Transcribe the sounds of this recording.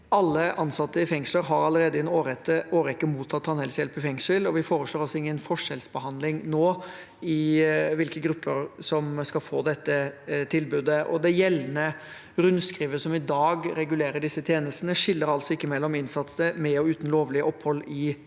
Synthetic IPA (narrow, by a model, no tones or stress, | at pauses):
ɑlːəʔɑnsɑt̪ːəɪfɛŋsləɾɦɑɾɑləɾeːd̪əɛnoːɾɛt̪ːəoːɾɛkːəmuːt̪ʰːɑt̪ːhɑnhɛlsjɛlpɪfɛŋsəlɔʋɪfoːɾəsɭoːɾɑsɔɪŋːənfɔʂɛlsbəhɑnd̪lɪŋnoː | ɪʋɪlkəɡɾʉpʰːəɾsɔmskɑfoːd̪ɛt̪ːət̪ʰɪlbʉːd̪əʔɔ̰d̪ɛjɛlːənə | ɾʉnskɾiːʋəsɔmɪd̪ɑːɡɾɛɡʉleːɾəɖɪsːət̪ʰjeːnəst̪nəʂɪlːəɾɑlt̪sɔɪkːəmɛlːɔmɪnsɑt̪səmɛɔʉːt̪n̩loːʋlɪəʔɔpːhɔlːɪ